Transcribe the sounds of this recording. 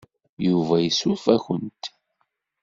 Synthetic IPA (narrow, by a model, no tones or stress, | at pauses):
juvæjəsufæçənt̪